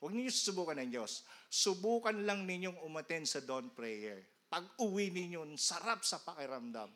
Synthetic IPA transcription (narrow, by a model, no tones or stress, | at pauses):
wɐɡ̚nɪɲjosʊsʊbuːkɐnɐŋd͡ʒosːʊbuːkɐnlɐŋnɪɲoŋʊmɐt̪ɛnsɐd̪onpɾɛjɛ̰ɹ | pɐɡ̚ʊwinɪɲjonsɐɾap̚sɐpɐkɪɾɐmd̪a̰m